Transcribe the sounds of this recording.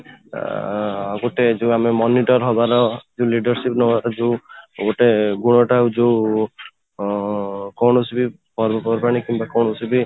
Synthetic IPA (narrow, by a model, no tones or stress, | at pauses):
ɡoʈed͡ʒeamemɔniʈɔɾɦɔbaɾɔd͡ʒeuliɖɔɾsipnɔbaɾɔd͡ʒeuɡoʈeɡuɽ̃ɔʈaud͡ʒeu | kɔwnɔsibi | pɔɾbɔpɔbɔɾpaɾñikimbakɔɳusibi